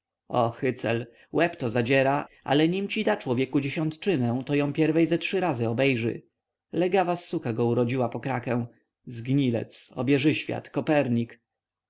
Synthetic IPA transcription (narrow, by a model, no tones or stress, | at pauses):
ɔxɘt̪sɛl | wɛpt̪ɔzad͡ʑɛɾaʔa̰lɛɲimt͡ɕid̪at͡ʂwɔvʲjɛkud͡ʑeɕɔnt̪t͡ʂɘnɛ̃w̃t̪ɔjɔ̃w̃pʲjɛɾvɛjzatʂɘɾazɘɔbɛjʐɘ̰ | lɛɡavasːukaɡɔuɾɔd͡ʑiwapɔkɾakɛ̃w̃ | zɡɲilɛ̰t̪sɔ̰bʲjɛʐɘɕfʲja̰t̪kɔpɛɾɲik